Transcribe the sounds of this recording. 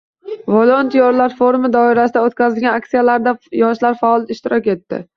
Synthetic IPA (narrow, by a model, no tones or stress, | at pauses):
volˠont̪ʰijoɾlaɾfoɾmɪd̪ɒɪɾasɪd̪aot̪kʲazɪlɡʲanak̚t̪sijalaɾd̪ajɒʃlaɾfalˠt̪ɪʃt̪ɪɾɒkʲe̞t̪ːɪ̰